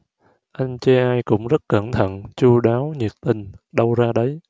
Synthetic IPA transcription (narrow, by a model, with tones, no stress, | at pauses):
ʔa˧jŋ̟t͡ɕɛ˧ʔaː˧jkʊ̰˧˥ŋ͡mzə˦˥t̚kə˧˩nt̪ʰə̰˧˨nt͡ɕu˧ɗaː˨˦wɲi˨˩ət̚t̪ï˧˩ŋ̟ɗə˧wzaː˧ɗə˨˦j